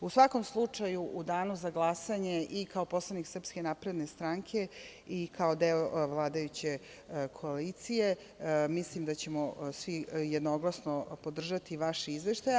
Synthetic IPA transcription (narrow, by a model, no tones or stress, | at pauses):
usʋako̞mslˠut͡ʂajuʔud̪aːnuzaɡlˠasaɲe̞ʔikaopo̞slˠaniksr̩pske̞napɾe̞d̪ne̞st̪ɾaŋkʰe̞ | ikʰao̞d̪eoʋlˠaːd̪ajut͡ɕe̞ | kʰo̞alit̪sije̞ | mislimd̪at͡ɕe̞mosʋijed̪noɡlˠasnopo̞d̪r̩ʒat̪iʋaʃizʋeʃt̪aj